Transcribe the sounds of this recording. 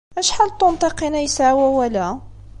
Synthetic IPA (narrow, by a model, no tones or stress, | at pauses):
ʔæʃħalːt̪ːʊnt̪ˤeqinæjsawæwəlæ